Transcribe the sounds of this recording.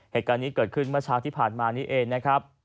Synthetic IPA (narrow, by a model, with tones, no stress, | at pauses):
heː˨˩t̪̚kaː˧nːiː˦˥kɤː˨˩t̪̚kʰɯ˥˩nmɯ˥˩ɐt͡ɕʰaː˦˥ŋt̪ʰiː˥˩pʰaː˨˩nmaː˧niː˦˥ʔeː˧ŋna˦˥kʰɾa˦˥p̚